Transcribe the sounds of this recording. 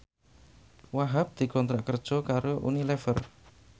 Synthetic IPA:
waɦap̚d̪̥i̤kɔnt̪ɾaʔkərd̥ʒ̥ɔ̤kaɾoʔṵnilɛfə̰r

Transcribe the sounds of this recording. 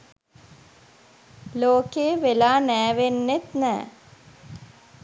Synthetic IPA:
loːkeːʋelaːnæːʋenːet̪næ̰ː

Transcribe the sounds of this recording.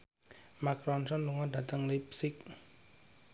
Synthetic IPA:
makɾɔnsɔnluŋɔɖä̤t̪əŋlipsɪk̚

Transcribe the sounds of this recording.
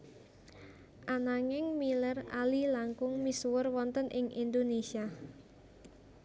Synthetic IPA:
ʔanaŋɪŋmiləra̰lilaŋkʊŋmisuwərwɔnt̪ənʔɪŋind̪onesia

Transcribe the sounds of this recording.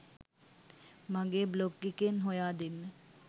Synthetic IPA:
maŋɡeːblokːikenɦojaːd̪enːə

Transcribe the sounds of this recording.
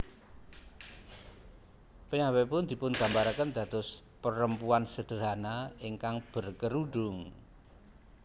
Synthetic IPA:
pəɲawɛpʊnd̪̥i̤pʊnɡ̥ä̤mbaɾakənd̪̥ä̤d̪̥ʊ̤s | pəɾəmpuansəd̪̥ə̤ɾanaɪŋkaŋb̥ə̤rkəɾuɖ̥ʊŋ

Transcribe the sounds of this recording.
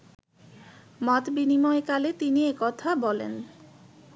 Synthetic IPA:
mɔt̪binimɔekalet̪iniekɔt̪ʰabɔlḛn

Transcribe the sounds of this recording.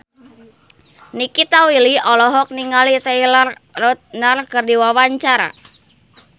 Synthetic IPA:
nikit̪awiliɔlɔɦɔk̚niŋalit̪ailarrot̪̚narkərdiwawaɲt͡ʃaɾa̰

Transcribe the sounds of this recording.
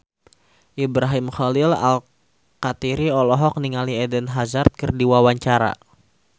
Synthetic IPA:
ʔibɾaɦimχɔlɪla̰l | kat̪iɾiɔlɔɦɔk̚niŋaliɛdɛnɦazart̪̚kərdiwawaɲt͡ʃaɾa̰

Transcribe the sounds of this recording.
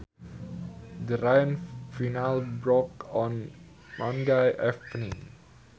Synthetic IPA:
dəɾajə̃nfinalbɹɔkɔ̃n | mɔ̃ndajʔɛfnĩŋ

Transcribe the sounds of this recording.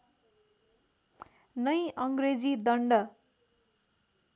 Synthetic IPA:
nʌjʌŋɡred͡zid̪ʌɳɖʌ

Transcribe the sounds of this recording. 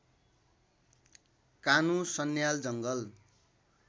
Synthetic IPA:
kanũsʌnːjald͡zʌŋɡʌl

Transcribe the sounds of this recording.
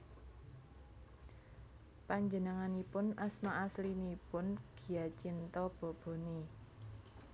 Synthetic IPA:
paɲd͡ʒənəŋanipʊnasmaʔaslimipʊnɡ̥i̤jat͡ʃint̪ɔb̥ɔ̤b̥o̤ni

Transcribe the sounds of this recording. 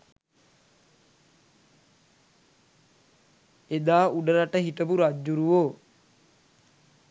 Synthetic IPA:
ed̪aːuɖəɾaʈəɦiʈəbuɾad͡ʒːuɾuʋoː

